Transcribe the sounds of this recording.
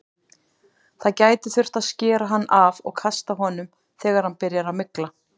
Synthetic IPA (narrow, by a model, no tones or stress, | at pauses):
θaðcaːjt̪ɪθʏr̥t̪aðscɛːɾaɦanːʔavɔ̰ɣkʰast̪aɦɔːnʏm | θɛːɣaɾ̥hanpɪɾjaɾamɪkla